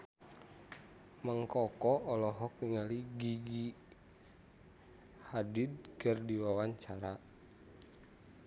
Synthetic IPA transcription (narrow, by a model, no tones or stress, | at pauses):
məŋkɔkɔɔlɔɦɔk̚niŋaliɡiɡi | hadid̪̚kərdiwawaɲt͡ʃaɾa